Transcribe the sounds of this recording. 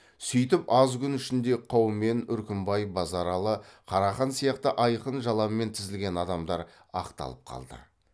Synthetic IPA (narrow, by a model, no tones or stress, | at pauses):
sʏjt̪ɪpɑzkʲʏnʏʃɪnd̪e̞qʰowme̞nʏɾkʲɪmbɑjbɑzɑɾɑlˠəqʰɑɾɑχɑnsijɑqt̪əʔɑjqənʒɑlˠɑmme̞nt̪ʰɪzɪlɡʲe̞nɑd̪ɑmd̪ɑɾ | ɑ̰qt̪ɑ̰lˠəp̚qʰɑ̰lˠd̪ə̰